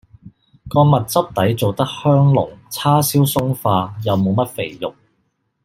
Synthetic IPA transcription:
kɔː˧mɐ˨t̚t͡sɐ˥p̚t̪ɐ˨˥jt͡so˨wt̪ɐ˥k̚hœː˥ŋlʊ̰˨˩ŋt͡sʰaː˥siː˨˥wsʊ˥ŋfaː˧jɐ˨wmo˨˧wmɐ˥t̚fe˨˩jjʊ˨˩k̚

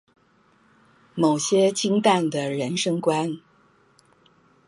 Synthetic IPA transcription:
mo˨˩ʊɕjɛ˥t͡ɕʰi˥ŋt̪a˥˩nd̪ə˩ɻə˧˥nʂɤ˥ŋkwa˥n

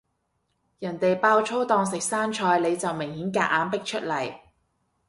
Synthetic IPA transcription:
jɐ˨˩nt̪e˨jpaː˧wt͡ʃʰo˥wt̪ɔː˧ŋs̬ɪ˨k̚saː˥nt͡ʃʰɔː˧jle˨˧jt͡sɐ˨wmɪ˨˩ŋhiː˨˥nkaː˧ʔ̚aː˨˥npɪ˥k̚t͡ʃʰɵ˥t̚lɐ˨˩j

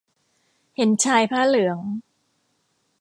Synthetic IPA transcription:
he˨˩˦nt͡ɕʰaː˧jpʰaː˥˩lɯ˩˦əŋ

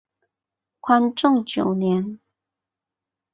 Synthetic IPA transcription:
kʰwa˥nʈ͡ʂʊ˥˩ŋt͡ɕjo˨˩ʊnjɛ˧˦n

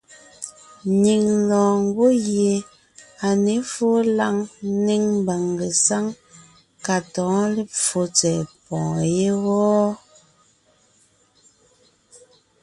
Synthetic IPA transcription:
ɲi˨ŋlɔ̃ː˨ŋ˦ɡo˦ɣje˨ | a˨ne˨˦fo˦la˦˨ŋ˦ne˦ŋm˦ba˨ŋɡe˨sa˦ŋ | ka˨tɔ̃ː˨˦le˦p͡fo˨˦t͡sɛ˨pɔ̃ː˨je˦ɣɔː˦

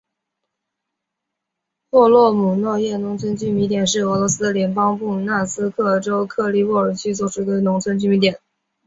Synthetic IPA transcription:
pwɔ˥˧lwɔ˥˩mu˨˩nwɔ˥˧jɛ˥˩nʊ˧˥ŋt͡sʰwə˥nt͡ɕy˥˩mi˧˥t̪jɛ˨˩nʂɻ̩˥˩ɤ˧˥lɔ˧˥sɹ̩˥d̪ə˨ljɛ˧˥npɑ˥ŋpu˥˩na˥˩sɹ̩˥kʰɤ˥˩ʈ͡ʂo˥ʊkʰɤ˥˩li˥˧wɔ˥˩ə˞˨˩t͡ɕʰy˥swɔ˨˩ʈ͡ʂʰu˧˥d̪ə˧nʊ˧˥ŋt͡sʰwə˥nt͡ɕy˥˩mi˧˥t̪jɛ˨˩˦n

